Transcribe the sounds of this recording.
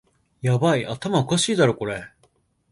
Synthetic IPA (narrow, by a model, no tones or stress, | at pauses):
jabaiat̪amaokaɕiːd̪aɾo̞ko̞ɾe̞